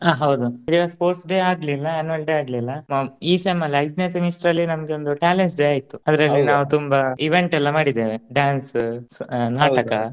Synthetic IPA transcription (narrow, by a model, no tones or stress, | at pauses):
aːɦɐwd̪uid̪iɡaspoːɾʈsɖeːaːɡlilːɐɐnuʋɐlʈiaːɡlilːɐmɐiːsemːɐlɐjʈ̪nesemisʈɾɐlːinɐmɐɡeo̞nd̪uʈaːlensɖeaːjit̪ːuɐd̪ɾɐlːinaːʋut̪umbɐiʋeɳʈɛlːɐmaːɽid̪ːeːʋeɖjaːns | naːɐkɐ